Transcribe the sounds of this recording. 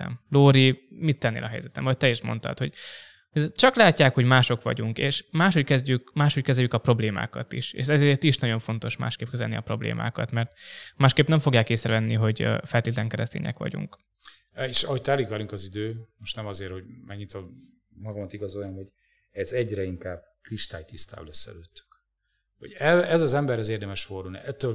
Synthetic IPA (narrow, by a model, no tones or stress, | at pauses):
ɛ̰mloːɾimit̪ːɛnːḛːlʔɒɦɛ̰jzɛt̪ɛ̰mvɒc̚ʲt̪ɛeʃmo̞̰nt̪ɒ̰t̪ho̞ɟ | t͡ʃɒklaːcːaːkho̞ɟmaːʃo̞kʋɒ̰ɟuŋkeːʃmaːʃhockɛzɟykmaːʃho̞ckɛzɛljykɒpro̞bleːma̰ːkɒt̪iʃḛːʃɛzeːt̪iʃnɒɟo̞ɱfo̞n̪t̪o̞ʃma̰ːʃkeːp̚kɛzɛ̰lniɒpro̞̰blḛːmʔa̰ːkɒt̪mɛrt̪maːʃkeːpnɛɱfo̞ɡjaːkːeːsrɛvɛnːiɦo̞ɟ̰fɛlt̪eːt̪ɛlɛŋkɛɾɛst̪ḛːɲɛ̰kʋɒ̰ɟṵŋk | eːʃɒhoc̚t̪aːlikʋɛlyŋkɒzid̪øːmoʃt̪nɛmɒzeːrho̞ɟmɛɡɲit̪o | mɒɡɒmɒt̪iɡɒzojjɔmho̞ɟ | ɛzɛɟɾɛiŋkaːb̚kriʃt̪a̰ːjt̪ist̪a̰ːlɛsːɛ̰løːt̪ːy̥k | ho̞̰ɟɛɛzɒzɛmbɛɾɛzeːrd̪ɛmɛʃfordulnḭʔɛt̪ːøl